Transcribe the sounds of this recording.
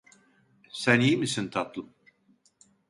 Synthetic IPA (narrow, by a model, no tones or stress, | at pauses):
sænjimisint̪ʰat̪lˠɯm